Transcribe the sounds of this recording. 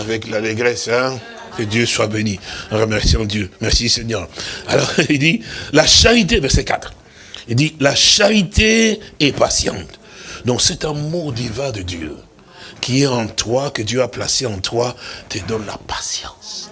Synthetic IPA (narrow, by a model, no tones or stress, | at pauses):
avɛklaleɡʁɛsɛ̃ | kəd̪jøswabeniɑ̃ʁəmɛʁsiɑ̃d̪jømɛʁsisɛɲœʁalɔʁild̪ilaʃaʁit̪evɛʁsɛkat̪χ | ild̪ilaʃaʁit̪ʰeɛpasjɑ̰̃t̪ | d̪ɔ̃ksɛt̪amoʁd̪ivɛ̃d̪əd̪jø̰ | kʲiɛɑ̃t̪wakəd̪jøapla̰seɑ̃t̪wat̪ʰəd̪ɔnla̰pasjɑ̰̃s